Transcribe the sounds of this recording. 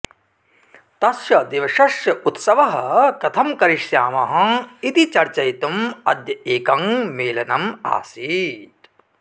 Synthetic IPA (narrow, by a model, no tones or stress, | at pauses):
t̪ɐsjɐd̪iʋɐʂɐʃjɐut̪sɐʋɐɦɐkɐt̪ʰɐmkɐɾiʂjaːmɐɦɐ̆̃it̪it͡ʃɐɾt͡ʃɐjt̪umɐd̪jɐeːkɐŋmeːlɐnɐma̰ːsiːt̪